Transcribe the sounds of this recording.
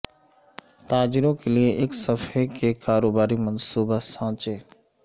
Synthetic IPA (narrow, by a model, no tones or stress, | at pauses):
t̪aːd͡ʒɪɾõkelieʔɪksɐfekʰekaːɾoːbaːɾimɐnsuːbasãːt͡ʃeː